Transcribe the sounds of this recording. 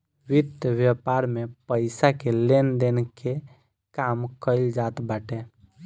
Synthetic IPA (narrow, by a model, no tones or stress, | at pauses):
wɪd̪ʋjəpaɾmepəɪsakelend̪enke | kamkəɪld͡ʒat̪baːʈe